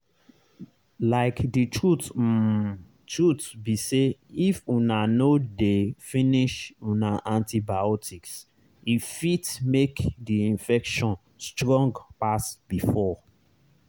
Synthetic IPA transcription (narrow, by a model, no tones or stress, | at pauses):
laɪkditʰɹut | tɹutbiseifũnanodefĩniʃũnaʔãntibaɔtʰiks | ifitmekdiĩnfɛkʃɔ̃n | stɹɔ̃ŋɡpasbifɔ